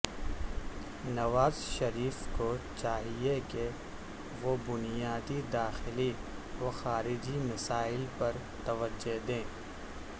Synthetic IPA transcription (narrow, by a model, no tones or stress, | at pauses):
nɐʋaːzʃɐɾiːfkot͡ʃaːɦieke | ʋobʊnijaːd̪id̪aːxɪli | ʋoxaːɾɪd͡ʒimɐsaːɪlpɐɾ | t̪ɐʋəd͡ʒːoɦd̪ẽː